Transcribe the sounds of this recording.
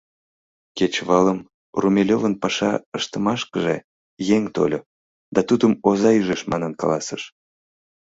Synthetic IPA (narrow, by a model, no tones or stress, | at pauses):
ket͡ɕβɑləm | rumʲelʲovənpɑʃɑ̰əʃt̪əmɑʃkəʒḛ | jeŋt̪o̰lʲo | d̪ɑt̪ud̪əmozɑyʒeʃmɑnənkɑ̰lɑsəʃ